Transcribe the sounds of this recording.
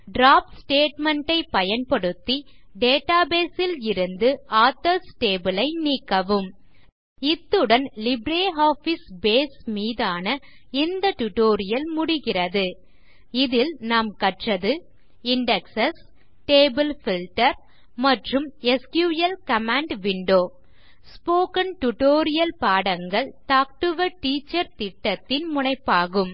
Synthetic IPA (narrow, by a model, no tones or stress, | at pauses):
ɖɾaːpsʈeːʈmɛɳʈɐɪpɐjɐnpɐɽɯt̪ːi | ɖeːʈaːbeːsɪlɪɾɯnd̪ɯaːt̪ːɐsʈeːbɯlɐɪniːkːɐʋɯm | ɪt̪ːɯɽɐnlɪbɾeːɦaːfisbeːsmiːðaːnɐ | ɪnd̪ɐt̪ʊʈoːɾɪjɐlmʊɽɪɣɪrɐðɯ | ɪðɪlnaːmkɐʈrɐðɯ | ɪɳɖɛksɐs | ʈeːbɪlfɪlʈɐɾ | mɐʈrɯmɛskjuːjɐlkɐmaːɳɖʋɪɳɖoː | spoːkɐnʈʊʈoːɾɪjɐlpaːɽɐŋɡɐɭt̪aːk̚ʈɯʋɐʈiːt͡ʃːɐɾt̪ɪʈːɐt̪ːɪnmʊɳɐɪpːaːɣɯm